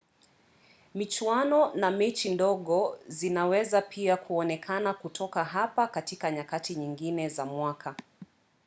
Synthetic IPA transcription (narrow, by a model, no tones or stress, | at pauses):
mit͡ʃwanɔnamɛt͡ʃindɔɠɔzinawɛzapʰiakʰuɔnɛkʰanakutʰɔkaɦapakatikaɲakatiɲiŋɡinɛzamwakʰa